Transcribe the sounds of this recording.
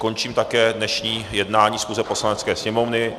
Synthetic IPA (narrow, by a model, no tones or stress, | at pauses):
ko̞nt͡ʃiːmt̪akɛːdnɛʃɲiːjɛdnaːɲiːsxuːzɛposlanɛt͡skɛːsɲɛmovnɪ